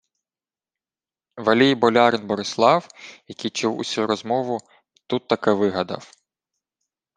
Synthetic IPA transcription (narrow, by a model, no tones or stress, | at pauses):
ʋɐlʲijbɔlʲɑɾɪnbɔɾɪslˠɑwjɐkʲijt͡ʃuwṵsʲuɾɔzmɔʋʊ | t̪ut̪ːɐkɛʋɪɦɐd̪ɐ̰w